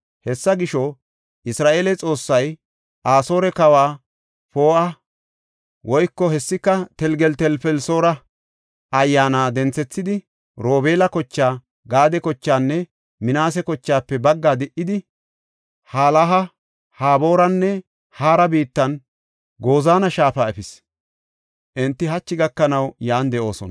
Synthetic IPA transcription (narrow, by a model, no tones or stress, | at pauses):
hɛsːɐɡɪʃɔ | ʔɪsɾaːʔeːlɛt͡sʼo̞ːsːɐj | ʔaːso̞ːɾɛkɐwaː | po̞ːʔɐ | wɔjkːɔhɛsːɪkːɐt̪ɛlɡɛlt̪ɛlfɛlso̞ːɾɐ | ɐjːaːnaːd̪ɛnt͡sːɛt͡sːɪd̪ɪ | ɾo̞ːbeːlɐkɔt͡ʃːaː | ɡaːd̪ɛkɔt͡ʃːaːnːɛ | mɪnaːs̬ɛkɔt͡ʃːaːpːɛbɐɡːaːd̪ɛʔːɪd̪ɪ | haːlɐɦɐ | haːbo̞ːɾɐnːɛ | haːɾɐbiːt̪ːɐn | ɡoːzaːnɐʃaːfaːɛfɪs | ʔɛnt̪ːɪɦɐt͡ʃːɪɡɐkːɐnɐwjaːnd̪ɛʔo̞ːsɔ̰nɐ